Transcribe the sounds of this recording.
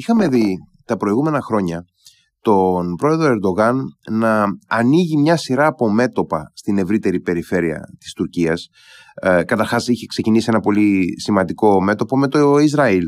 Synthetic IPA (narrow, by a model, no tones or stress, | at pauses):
ixɐme̞ði | t̪ɐpɾo̞iɣume̞nɐxɾo̞ɲɐ | t̪o̞npɾo̞e̞ðɾoe̞ɾd̪o̞ɣɐnnɐːniʝimɲɐsiɾɐːpo̞me̞t̪o̞pɐst̪ine̞vɾit̪e̞ɾipe̞ɾife̞ɾiɐ̰t̪i̥st̪uɾciɐs | kɐt̪ɐɾxɐsiçe̞kse̞cinisie̞nɐpo̞lisimɐnd̪iko̞me̞t̪o̞po̞me̞t̪oizɾɐil